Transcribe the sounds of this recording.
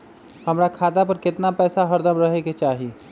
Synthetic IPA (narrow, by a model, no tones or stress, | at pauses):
həmɾakʰat̪apəɾkɪt̪napɛːsaɦəɾd̪əmɾəɦeket͡ʃaɦi